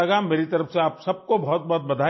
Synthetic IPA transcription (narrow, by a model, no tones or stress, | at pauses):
ɐɡameːɾit̪ɐɾəfseaːpsɐb̚kobɔɦʊt̪̚bɔɦʊt̪̚bɐd̪ʱaː